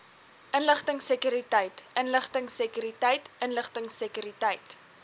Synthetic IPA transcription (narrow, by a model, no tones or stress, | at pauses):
ʔənləχtəŋsəkyɾitəjtənləχtəŋsəkyɾitəjtʔənləχtəŋsəkyɾitəjt